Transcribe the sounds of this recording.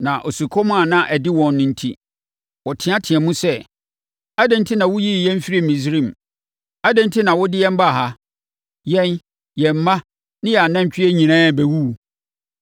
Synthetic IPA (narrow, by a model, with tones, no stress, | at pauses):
nã˨ʔo˨su˨kʰɔ˦m̃˦a˨nã˦ʔæ˨dɪ˦wɔ̃˨nː˨ʊ̃˦n̩˦tʰḭ˦ | wɔ˨tʰɪ̃˨˦ã˦tʰɪ̃˨ɛ˨mũ˦sɛ˦ | a˦dɛ̃˨ntʰi˦nã˨wʊ˦ji˦˨jɛ̃˦m˦fi˦ɾi˦˨mĩ˨s̬ɾĩ˦m˨ | a˦dɛ̃˦ntʰi˦nã˨wɔ˦dɪ˦jɛ̃˦m˦ba˦˨ɦa˦ | jɛ̃˦n | jɛ˨m̩˨˦mã˦ | nɪ̃˦jɛ˨a˨nã˦m˦t͡ɕᶣɪ˦ɛ˦ɲĩ˨nãː˦˨bæ˨wu˦˨